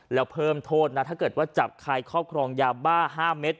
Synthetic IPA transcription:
lɛː˦˥wpʰɤː˧˥mt̪ʰoː˥˩t̪̚na˦˥t̪ʰa˥˩kɤː˨˩t̪̚waː˥˩t͡ɕa˨˩p̚kʰa˧jkʰɾɔː˥˩p̚kʰɾɔː˧ŋjaː˧baː˥˩ɦaː˥˩me˦˥t̪̚

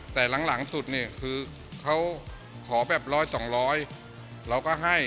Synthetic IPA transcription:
t̪ɛː˨˩la˩˦ŋla˩˦ŋsu˨˩t̪̚niː˧˩kʰɯː˧ | kʰa˦˥w | kʰɔː˩˦bɛː˨˩p̚ɾɔː˦˥jsɔː˩˦ŋɾɔː˦˥j | ɾa˧wkɔː˥˩ɦa˥˩j

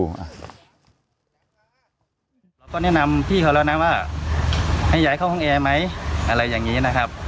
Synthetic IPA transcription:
ʔa˧˩ | la˧˩wkɔː˧˥˩nɛ˥˨na˧mpʰiː˥˩a˨˧˩lɛ˧˩wna˦˥waː˥˩ | ha˧˩jaː˨˦jkʰa˧˥˩whɔː˧˥˨ʔɛː˧ma˦˥jʔa˧ɾa˧jːaː˨˩ŋːiː˦˥na˦˥kʰa˦˥p̚

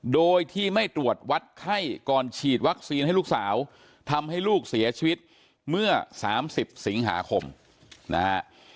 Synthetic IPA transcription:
doː˧jt̪ʰiː˥˩ma˥˩jt̪ɾu˨˩ət̪̚wa˦˥t̪̚kʰa˥˩jkɔː˨˩nt͡ɕʰiː˨˩t̪̚wa˦˥k̚siː˧nɦa˥˩jluː˥˩ksaː˩˦w | t̪ʰa˧mha˥˩jluː˥˩k̚si˩˦ɐt͡ɕʰiː˧wi˦˥t̪̚ | mɯ˥˩ɐsaː˩˦msi˨˩p̚si˩˦ŋɦa̰ː˩˦kʰo˧m | na̰˦˥ha˦˥ʔ

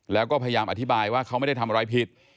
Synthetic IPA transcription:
lɛː˦˥wkɔː˥˩pʰa˧ja˧jaː˧mʔa˨t̪ʰi˦˥baː˧jwaː˥˩kʰa˦˥wma˥˩jda˥˩jt̪ʰa˧mɾa˦˥jpʰi˦˥t̪̚

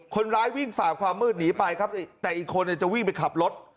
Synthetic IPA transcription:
kʰo˧nɾaː˦˥jwi˥˩ŋfaː˨˩kʰwaː˧mːɯː˥˩t̪̚niː˩˦˥pa˧jkʰa˦˥p̚t̪ɛː˨˩ʔiː˨˩kʰːo˧nːi˧˩ɐt͡ɕa˨˩wi˥˩ŋpa˧jkʰa˨˩p̚lo˦˥t̪̚

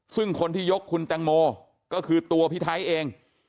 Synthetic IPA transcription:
sɯ˥˩ŋkʰo˧nt̪ʰiː˥˩jo˦˥kʰːu˧nt̪ɛ˧ŋmɔː˧ | kɔː˥˩kʰɯː˧t̪u˧ɐpʰi˦˥t̪ʰaː˦˥jʔeː˧ŋ

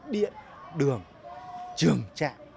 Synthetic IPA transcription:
ɗḭ˧˨ən | ɗɨ˨˩əŋ | t͡ɕɨ˨˩əŋt͡ɕa̰ː˧˨ŋ

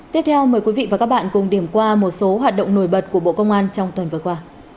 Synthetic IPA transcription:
t̪i˦˥ət̪ʰɛ˧wməː˨˩jkwi˨˦vḭ˧˨vaː˨˩kaː˦˥ɓa̰ː˧˨nkʊ˨˩ŋ͡mɗi˨˧˩əmkwaː˧mo˨˩t̚so˨˦ɦwaː˨˩t̚ɗə̰˧˨wŋ͡mno˧˩jɓə˨˩t̚ku˧˩əɓo̰˧˨kə˧wŋ͡mʔaː˧nt͡ɕɔ˧wŋ͡mt̪wə˨˩nvɨ˨˩əkwaː˧

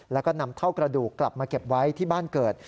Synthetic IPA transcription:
lɛː˦˥wkɔː˥˩na˧˥mt̪ʰa˥˩wkɾa˧duː˨˩kːla˨˩p̚maː˧ke˨˩p̚wa˦˥jt̪ʰiː˥˩baː˥˩nkɤː˨˩t̪̚

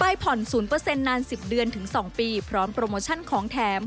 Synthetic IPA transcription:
pa˧jpʰɔ˨˩nsuː˩˦npɤː˧se˧nːaː˧nsi˨˩p̚dɯ˧ənt̪ʰɯ˩˦ŋsɔː˩˦ŋpiː˧pʰɾɔː˦˥mpɾoː˧moː˧t͡ɕʰa˥˩nkʰɔː˩˦ŋt̪ʰɛː˩˦˥m

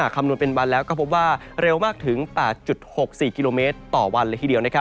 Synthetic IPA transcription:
a˨˩kʰːa˧mnu˧ənpe˧nwa˧nlɛː˦˥wkɔː˥˩pʰo˦˥p̚waː˥˩ | ɾe˧wmaː˥˩k̚t̪ʰɯ˩˦ŋpɛː˨˩t̪̚t͡ɕu˨˩t̪̚ho˨˩k̚siː˨˩ki˧loː˧meː˦˥t̪ːɔː˨˩wa˧nlɤː˧jt̪ʰiː˩di˧əwna˦˥kʰa˦˥

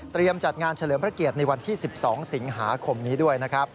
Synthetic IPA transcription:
t̪ɾi˧əmt͡ɕa˨˩t̪̚ŋaː˧nt͡ɕʰa˧lɤː˩˦pɾa˦˥ki˨˩ət̪̚na˧jwa˧nt̪ʰiː˥˩si˨˩p̚sɔː˩˦ŋsi˩˦ŋɦaː˩˦kʰo˧mniː˦˥du˥˩əjna˦˥kʰɾa˦˥p̚

